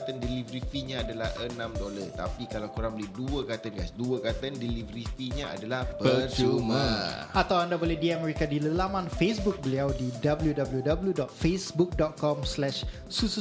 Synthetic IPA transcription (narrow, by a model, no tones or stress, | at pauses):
t̪əndɛlivɾit̪iɲãːdalahʔənãmdolət̪a̰pikalawkuɾaŋbolɛhduəkat̪ənɡasduəkat̪əndɛlivəɾitiɲaa̰dalahpəət͡ʃumaat̪awandabolediamɛɾikadiləlamãnfesbuk̚bəliawdidabəljudabəljudabəljudɔt̪̚fesbuk̚dɔt̪̚kɔmslɛʃ | susu